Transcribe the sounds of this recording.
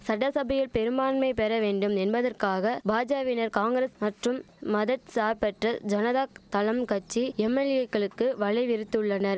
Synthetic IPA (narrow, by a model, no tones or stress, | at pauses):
sɐɽɐsɐbɐjɪlpɛɾɯmaːnmɐɪpɛɾɐʋeːɳɖɯmɛnbɐðɐrkaːɣɐbaːd͡ʒaːʋɪnɐɾkaːŋɡɾɐsmɐʈrɯmː | ɐðɐt̪saːɾpɛʈrɐd͡ʒɐnɐðaːk̚t̪ɐlɐmkɐt͡ʃːiɛmːɛlɪjɐkːɐɭɯkːɯʋɐɭɐɪʋɪɾɯt̪ːɯɭːɐnɐɾ